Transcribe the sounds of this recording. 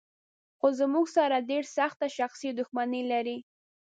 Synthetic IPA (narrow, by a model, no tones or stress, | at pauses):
xozəmuɡsaɾaɖeɾsaxt̪aʃaxsid̪ʊxmanilaɾi